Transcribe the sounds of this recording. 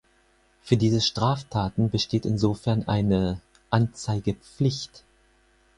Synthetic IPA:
fyːɐdiːzəʃtʁ̥aːftʰaːtn̩bəʃteːtɪnzoːfɛɐnʔa̰ɪnə | ʔant͡saɪɡəp͡flɪçt

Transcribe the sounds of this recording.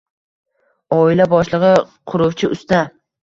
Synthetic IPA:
ɒɪlabɒʃlˠɨʁɨ | qʰʊɾʊwt͡ʃʰɪʊst̪a

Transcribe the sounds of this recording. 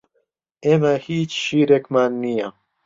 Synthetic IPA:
eːmɐhiːt͡ʃʃiːɾekmaːnːijɐ

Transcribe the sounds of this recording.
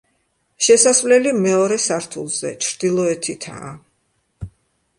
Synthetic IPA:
ʃɛsasvlɛlimɛɔɾɛsaɾt̪ʰulˠz̥ɛ̰t͡ʃʰɾd̪̥ilˠɔɛt̪ʰit̪ʰa̰ː

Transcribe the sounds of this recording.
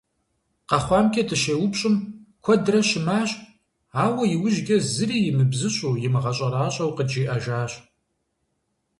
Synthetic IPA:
qɑχʷɑːmkʲʰʼɐtʰɨʃeːwʊpɕʼɪmkʷʰɔdɾɐʃɪmaːɕʼ | aːwɐjɪwʊʒɡʲɐzɨɾiːjɪmɨbzɨɕʼuːjɪmɨʁɐɕʼɐraːɕʼɐwqəd͡ʒiːʔɐʒaːɕʼ

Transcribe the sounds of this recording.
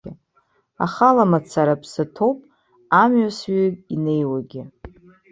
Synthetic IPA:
ɪ | a̰χalamat͡sʰaɾapʰsɨtʰowpʼ | amɥasɥaine̞jwaɡʲɪ

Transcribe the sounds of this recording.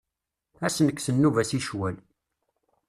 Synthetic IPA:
æsnəkːsənːuvæsiʃwæl

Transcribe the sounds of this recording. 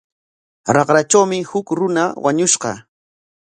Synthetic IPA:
ɾɑqɾat͡ʃawmɪhʊkɾʊnawaɲʊʃɢɑ̰

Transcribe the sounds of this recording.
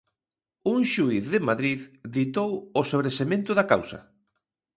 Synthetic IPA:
uŋʃuiθðɪmaðɾiððit̪owosoβɾesemẽnt̪ʊðaka̰wsɐ̰

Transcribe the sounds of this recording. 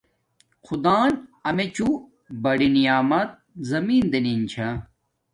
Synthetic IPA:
xud̪aːnɐmet͡ɕu | bɐɽinijaːmɐt̪̚zɐmiːnd̪enint͡ɕʰɐ̃

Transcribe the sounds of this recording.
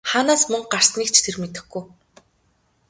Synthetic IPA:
χaːnaːsmɵŋɢar̥sniːk̚t͡ɕʰt̪ʰermet̪ɘ̆xɡuj

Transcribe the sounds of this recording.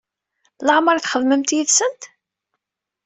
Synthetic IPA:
ləʕməɾˤθχəðˤməmt̪jəðsənt̪

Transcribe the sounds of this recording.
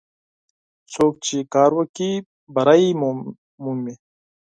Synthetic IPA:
soːk̚t͡ɕʰikaːɾwɐki | bɐɾaːiː | mumːi

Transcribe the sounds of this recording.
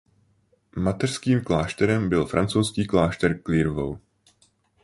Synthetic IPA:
mat̪ɛr̥skiːmklaːʃt̪ɛɾɛmbɪlfɾʔa̰nt͡sowskiːklaːʃt̪ɛɾkliɾvo̰w

